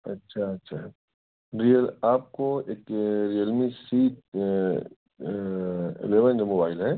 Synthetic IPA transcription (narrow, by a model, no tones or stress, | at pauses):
ɐtːʃʰaɐtːʃʰa | ɾijəlaːp̚koeːkɾijəlmisiːʈ̚ | ḛleʋənd̪əmoːbaːɪlɦɛː